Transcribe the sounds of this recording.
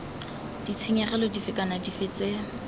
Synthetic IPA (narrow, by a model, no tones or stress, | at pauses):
d̥it͡sʰeŋɛχɛlɔdifɪkʼanadifɪt͡se